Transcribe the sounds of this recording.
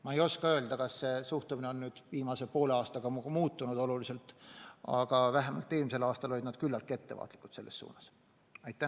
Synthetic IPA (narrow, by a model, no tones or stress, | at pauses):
mɑe̞jo̞skɑø̞ːld̪̥ɑkɑsːe̞suht̪umineo̞nːyːd̪̥viːmɑse̞po̞ːleɑːst̪ɑɡ̥ɑmuːt̪ːunud̪o̞lulise̞lt̪ːˑɑ̰ɡ̥ɑvæɦemɑ̰lt̪ːˑeːlmise̞lɑːst̪ɑlo̞lid̪nɑd̪̥kylːɑlk̪ːˑe̞t̪ːe̞vɑ̰ːt̪ˑlikːˑut̪se̞lːesːṵːnɑs | ɑjt̪ːˑæ